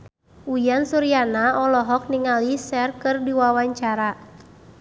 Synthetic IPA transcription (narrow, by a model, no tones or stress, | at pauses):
ujansuɾianaɔlɔɦɔk̚niŋalisɛrkɨrdiwawaɲt͡ʃaɾa